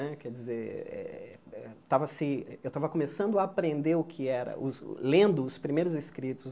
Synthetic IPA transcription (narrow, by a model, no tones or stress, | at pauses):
ɛkɛd͡ʒizeɾɛ̰ɛt̪avɐsɪɛewt̪avɐkomesɐ̃nd̪ʊaːpɾẽnd̪eɾʊkʰɪɛɾɐ̰ʔʊ̰lẽnd̪ʊːspɾimejɾʊzɪskɾit̪ʊz